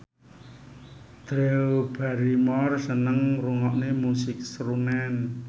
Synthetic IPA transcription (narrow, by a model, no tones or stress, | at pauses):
d̪̥ɾeob̥aɾimɔrsənəŋruŋɔʔnemusɪk̚sɾunɛn